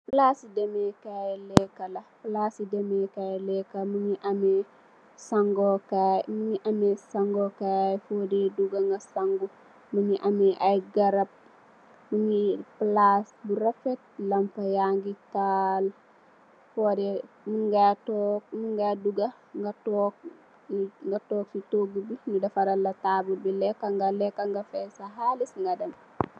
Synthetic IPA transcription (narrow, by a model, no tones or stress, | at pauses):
plasidemɛkajlɛkːɐlɐplasidemekajlɛkːamuɲiʔɐme | saŋɡokajmuɲiʔɐmesaŋɡokajfodɛduɡaŋɡasaŋɡu | muɲiʔameʔajɡɐɾɐp̚ | muŋiplasbuɾafɛt̚lɐmpajaŋɡital | fɔdɛ | muɡatɔk̚muŋɡaduɡa | ŋɡatɔk̚ | ŋɡatɔk̚sitoɡubinidɐfaɾalɐtabubilɛkːaŋɡalɛkːaŋɡafɛsaɦaːlisŋɡadɐm